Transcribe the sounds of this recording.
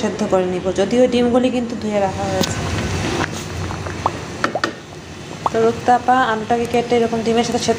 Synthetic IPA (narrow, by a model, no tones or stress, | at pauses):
ed̪ʱːokoɾenibod͡ʑod̪ioɖimɡulikint̪ud̪ʱueɾakʰaɦojet͡ɕʰe | t̪oɾukt̪apaaloʈakekeʈeeɾɔkomɖimeɾʃat̪ʰeʃed̪